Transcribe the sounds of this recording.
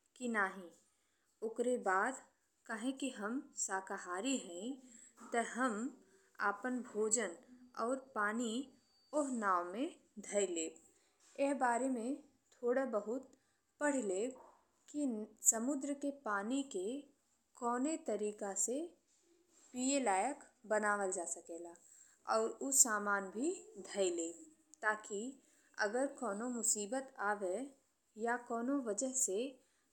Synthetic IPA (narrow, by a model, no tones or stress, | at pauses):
kinaːɦĩ | ʊkɾebaːd̪ | kaɦẽkiɦɐmsaːkaɦaːɾiɦɛ̃t̪əɦəm | a̰pənbʱoːd͡ʒənɔːɾpaːni | ʊɦnaːʋmẽ | d̪ʱəjleː | ɪɦbaːɾemẽ | t̪ʰoːɽabəɦʊt̪̚ | pəɽ̤leːɡ | kisɐmʊd̪ɾəkepaːnike | kɔːnet̪ɐɾiːkase | piːelaːjəkbənaːʋəld͡ʒaːsəkeːɡaː | ɔːɾʊsaːmaːnbʱid̪ʱəileː | t̪aːki | ɐ̰ɡəɾkɔːnomʊsiːbət̪aːʋe | jakɔːnoʋəd͡ʒəɦse